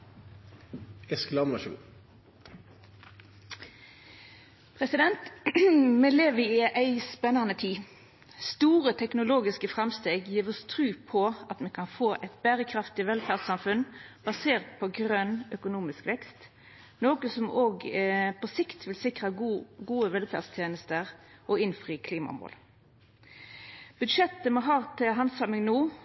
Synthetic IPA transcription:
ɛsklɑmʋɑʃuṵ | pʰʁɛsɪd̪ɛnt̪ | mɛleːʋəɪʔæɪspɛnɑnət̪ʰiː | st̪uːʁət̪ʰɛknʊloːɡɪskəfʁɛmst̪eːɡjiːʁɔst̪ʰʁʉːpʰɔɑt̪mɛkʰɑnfoːʔɛɪt̪̚bæːʁəkʰʁɑft̪ɪʋɛlfæʁsɑmfʉnb̥ɑseːʁt̪pʰɔɡʁœnœkʊnuːmɪskʋɛkst̪ | noːkəsɔmoːɡpʰɔsɪkt̪ʰʋɪlsɪkʁɑɡuːəʋɛlfæ̰ʁdst̪ʰjeːnəst̪əʁʔɔɪnfʁiːəkʰliːmɑ̰mo̰ːl | b̥ʉd̪ʂɛt̪ːəmɔɦɑːʁt̪ʰɪlɦɑnsɑmɪŋnoː

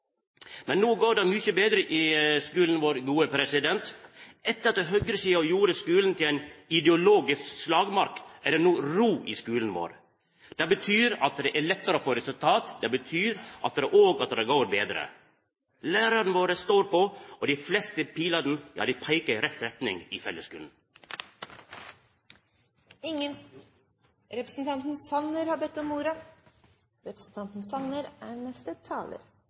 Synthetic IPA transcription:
mɛnːoːɡoːɖɛmʏçəbeːd̪ɾəʔɪskʉːln̩ʋoːɾɡuːəpʰɾɛsɪd̪ɛnt̪ɛt̪ːəɾɑt̪̚d̪ɛɦœɡɾəsiːɑjuːɾəskʉːln̩t̪ʰɪlæɪnɪd̪ɛʊloːɡɪskslɑːɡmɑɾkæɖɛnuːɾuːʔɪskʉːln̩ʋo̰ːɾ | d̪̥ɛbət̪ʰyːɾɑt̪̚d̪ɛʔælɛt̪ːəɾofoːɾɛsʉlt̪ʰɑːt̪d̪ɛbət̪ʰyːɾʔɑ̰t̪̚d̪ɛʔoːɡɑt̪d̪ɛɡoːɾbeːd̪ɾə̰ | læːɾənəʋoːɾəst̪oːɾpoɔd̪iːflɛst̪əpʰiːlɑd̪n̩jɑ̰ːd̪ipʰæɪkəɾɛt̪ɾɛt̪nɪŋḭːfɛlːəskʉ̰ːln̩ | ɪŋːən | ɾɛpɾəsn̩t̪ʰɑnt̪n̩sɑnəɾhɑbɛt̪ːɔmːuːɾɑ | ɾɛpɾə̥sn̩t̪ʰɑnt̪n̩sɑnəɾænɛst̪ət̪ʰɑ̰ːlə̰ɾ

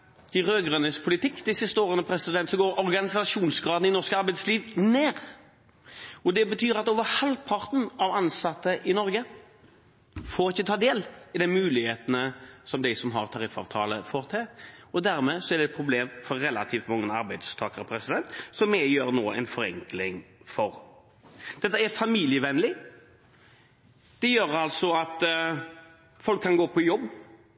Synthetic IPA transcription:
ɪʁøːɡʁœnəspʰʊlɪt̪ʰɪkːd̪ɛɪsɪst̪əoːʁənəpʰɾɛsɪd̪ɛnt̪sɔɡoːɾɔʁɡɑnɪsɑʂuːnsɡʁɑːd̪n̩ɪnɔskəɑɾbæɪsliːʋneːɾ | ɔd̪ɛbət̪ʰyːʁɑt̪oːʋəʁhɑlpʰɑʁt̪n̩ɑʋɑnsɑt̪ːəʔɪnɔɾɡə | fɔʁɪçːət̪ʰɑːd̪eːlɪd̪ɛmʉːlɪheːt̪ənəsɔmd̪æɪsɔmɦɑ̰ʁt̪ʰɑɾɪfɑ̰ːʋt̪ʰɑ̰ːlə̰foːʁt̪ʰɛɔd̪æɾmɛsɔæɾɖ̪ɛt̪̚pʰɾʊbleːmfɔɾːɛlɑt̪ʰiːft̪mɑŋːənɑɾbæɪd̪st̪ʰɑːkəɾəpʰɾɛsɪd̪ɛnt̪sɔmːɛjøːɾnoːɛ̰ɪnfɔɾɛ̰ŋklɪŋfɔɾ | d̪̥ɛt̪ːəæɾfɑmiːljəʋɛnlɪ | d̪̥ɛjøːɾɑlsɔɑt̪ | fɔlkʰːɑnɡoːpʰɔjɔbː

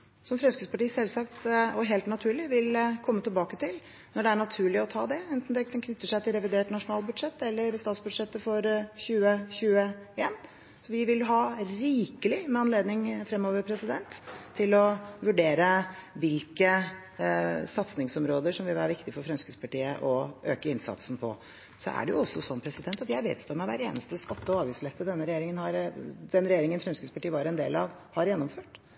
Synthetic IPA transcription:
sɔmfɾɛnskʉspʰɑʈiːsɛlsɑkt̪ɔɦeːlt̪nɑt̪ʰʉːɭɪʋɪlkʰɔmːət̪ʰɪlbɑːkət̪ʰɪl | nɔɖɛæɳɑt̪ʰʉːɭɪɔt̪ʰɑ̰ːd̪ɛɛnt̪n̩d̪ɛnkʰnʏt̪ːəʂæɪt̪ʰɪlɾɛʋɪd̪eːʈnɑʂʊnɑːlbʉd̪ʂɛt̪ːɛlːəɾst̪ɑːt̪sbʉd̪ʂɛt̪ːəfɔɾçʉːəçʉːəeːn | sɔʋɪʋɪlɦɑːɾiːkəlɪmɛɑnleːd̪nɪŋfɾɛmːɔːʋəɾpʰɾɛsɪd̪ɛnt̪ʰːɪlɔʋʉɖeːɾəʋɪlkə | sɑt̪snɪŋsɔmɾoːd̪əʂɔmʋɪlʋæːɾʋɪkt̪ɪfɔɾfɾɛmskʉspʰɑʈiːəʔɔʔøːkəɪnsɑ̰t̪sn̩pʰɔ̰ | sɔ̰ʔæ̰ɖɛjʊɔsːɔsɔnːpʰɾɛsɪd̪ɛnt̪ɑt̪jæɪʋḛːd̪st̪oːɾmɛʋæ̰ɾeːnəst̪əskɑt̪ːəɔɑːʋjʉslɛt̪ːəd̪ɛnːəɾɛjeːɾɪŋənhɑɾd̪̥ɛnɾɛjeːɾɪŋənfɾɛmskət̪spɑʈiːəʋɑɾɛnd̪eːlɑʋhɑɾjɛnːɔmføːʈ

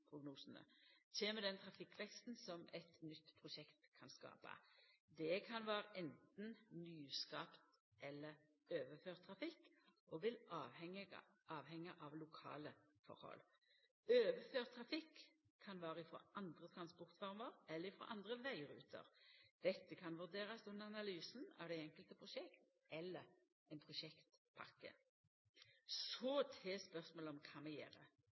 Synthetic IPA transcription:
pʰɾʊɡnuːsn̩ə̰ɕeːməd̪ɛnt̪ʰɾɑfɪkːʋɛkst̪n̩sɔmɛt̪nʏt̪ːpʰɾʊʃɛkt̪kʰɑnskɑ̰ːpɑ̰d̪ɛkʰɑnʋæːɾəʔɛnt̪n̩nyːskɑːpt̪ | ʔɛlːəɾ | øːʋəføːʁt̪ʰʁɑfɪkːɔːʋɪlɑːʋɛŋə̰ʔɑːʋhɛŋːəʔɑʋlʊkʰɑ̰ːləfɔ̰ɾhɔ̰l | øːʋəføːʁt̪ʰɾɑfɪkʰː | ɑnʋɑːʁəɪfɔ̰ʔɑnd̪ʁət̪ʰɾɑnspɔʁt̪fɔʁməɾɛlːəɾɪfɔ̰ʔɑnd̪ʁəʋæɪɾʉ̰ːt̪ʰə̰ʁd̪̥ɛt̪ːəkʰɑnʋʉʁd̪eːʁɑsʉnəɑnɑlyːsn̩ɑ̰ʋd̪ɛɛŋkəlt̪əpʰʁʊʃɛkt̪ | ɛlːəɾ | ɛɪnpʰʁʊʃɛkt̪pʰɑ̰kːə̰ | sɔt̪ʰeːspœʁsmoːlɔmkʰɑːmɛjḛːɾə̰

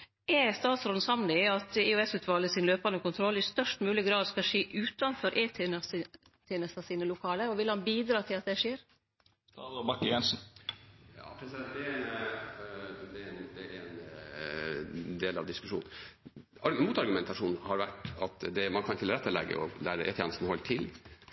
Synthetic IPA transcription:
ʔɛst̪ɑːt̪sɾɔn̩sɑmlɪɑt̪eʉɛsʉːt̪ʰʋɑːləsɪnløːpɑnəkʊnt̪ʰɾɔlːɪst̪œʂʈmʉːlɪɡɾɑːd̪skɑʂeːʔʉːt̪ɑnfɔɾʔeːt̪ʰ | t̪ʰeːnəst̪ɑsiːnəlʊkʰɑːləɾɔʋɪlhɑnbiːd̪ɾɑːt̪ʰɪlɑt̪̚d̪ɛʂeːɾ | st̪ɑɔbɑkːjɛnsn̩ | jɑ̰ːpʰɾɛsɪd̪ɛnt̪̚d̪ɛn | d̪ɛɛnd̪ɛɛn | d̪eːlɑ̰ʋd̪ɪskʉʂṵːn | ɑɾmuːt̪ɑɾɡʉmɛnt̪ɑʂuːnhɑɾʋæʈɑt̪d̪ɛmɑnkʰɑnt̪ʰɪlɾɛt̪ːəlɛ̰ɡːə̰ʔɔlæ̰ːɾəʔɛ̰t̪ʰjɛ̰nəst̪n̩hɔlːt̪ʰɪl

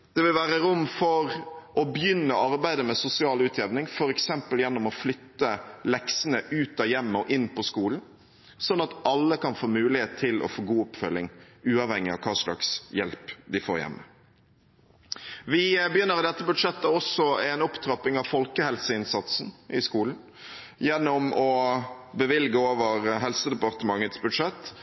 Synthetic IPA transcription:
d̪̥ɛʋɪlʋæːɾəɾʊmːfɔɾɔbjʏnːəɑɾbæɪd̪əmɛsʊsɪɑːlʉːt̪ʰjɛʋnɪŋfɔɾɛksɛmpəljɛnːɔmɔflʏt̪ːəlɛksənəʔʉːt̪ɑjɛmːəɔʔɪnːpʰɔskuːln̩ | sɔnːɑt̪ɑlːəkɑnfoːmʉːlɪheːt̪ʰːɪlʔɔ̰foːɡuːɔpfœlːɪŋ | ʉːɑːʋhɛŋːɪɑ̰ʋkʰɑːslɑ̰ksjɛlpd̪ɪfo̰ːɾjɛ̰mːə | ʋɪbəjʏnːəɾd̪ɛt̪ːəbʉd̪ʂɛt̪ːəɔsɔɛnɔpt̪ʰɾɑpɪŋɑʋfɔlkəhɛlsəɪnsɑt̪sn̩ʔɪskuːln̩ | jɛnːɔmɔbəʋɪlɡəoːʋəɾɦɛlsəd̪ɛpɑʁt̪əmɑŋːət̪sbʉd̪ʂɛt̪ː

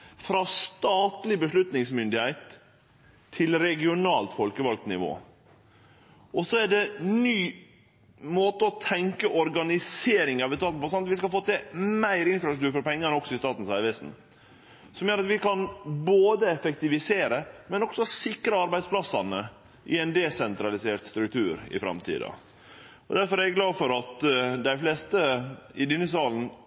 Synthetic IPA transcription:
fɾɑst̪ɑːt̪lɪbəʂlʉt̪nɪŋsmʏnd̪ɪhæɪt̪ʰː | ɪlɾɛɡɪʊnɑːlt̪fɔlkəʋɑlk̚t̪nɪ̰ʋo̰ː | ʔɔsɔæɖɛnyː | moːt̪əɔt̪ʰɛŋkəʔɔɾɡɑnɪseːɾɪŋɑʋɪst̪ɑːt̪n̩pʰɔsɔnɑt̪ʋɪskɑlfoːt̪ʰɛmæɪɾɪnfɾɑsɾʉt̪ʉːɾfɔɾpʰɛŋːənəɔksɔɪst̪ɑːt̪n̩sæʋɛsn̩ | sɔmjøːɾɑt̪ʋɪkʰɑnboːd̪əɛfɛkt̪ɪʋɪseːɾəmɛnɔɡ̥sɔsɪkɾəɑɾbæɪd̪spʰlɑsːɑnə | ʔɪɛɪnd̪ɛsɛnt̪ɾɑlɪseːɾt̪st̪ɾʉkt̪ʰʉːɾɪ̰fɾɑ̰mt̪ʰḭːd̪ɑ̰ | ɔd̪æɾfɔɾɛɡɡlɑːfɔɾɑt̪d̪æɪfleːst̪əɪd̪ɪnːəs̬ɑːln̩

